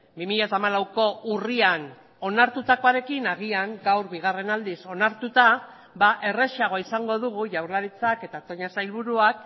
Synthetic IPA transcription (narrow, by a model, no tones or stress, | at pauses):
bimiʎat̪aːmalawko̞urian | o̞naɾt̪ut̪ako̞aɾe̞kinaɣ̞iaŋɡawɾβiɣ̞are̞nald̪iso̞naɾt̪ut̪a | baʔe̞re̞ʃiaɣ̞o̞isaŋɡo̞ðuɣ̞uʝawɾlaɾit͡sake̞t̪at̪o̞ɲasajlβuɾuak̚